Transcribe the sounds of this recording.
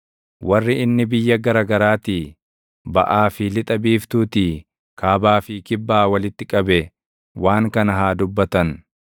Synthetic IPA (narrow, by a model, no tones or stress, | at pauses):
wɐrːɪɪnːɪbɪjːɐɡɐɾaːɡɐɾaːt̪iː | bɐ̰ʔaːfɪlɪt̪ʼɐbiːft̪uːt̪iː | kʰaːbaːfɪkɪbːaːwɐlɪt̪ːɪkʼɐbɛ | waːŋkɐnɐɦaːd̪ʊbːɐt̪ɐn